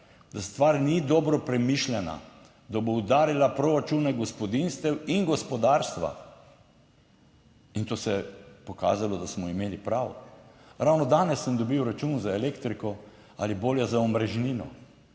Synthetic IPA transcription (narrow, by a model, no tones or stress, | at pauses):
d̪ast̪ʋaːɾnid̪ɔːbɾɔpɾɛmiʃlʲɛna̰ | d̪aboud̪aːɾilapɾɔɾat͡ʃunɛɡɔspɔd̪inst̪ɛwinɡɔspɔd̪aːɾst̪ʋa̰ | int̪oːsɛɛpɔka̰ːzalɔd̪asmɔimeːlipɾaːwɔ̰ɾawnɔd̪aːnɛsːəmd̪ɔbiwɾat͡ʃunzaelekt̪ɾikɔ | a̰liboːljazaɔmɾɛʒniːnɔ̰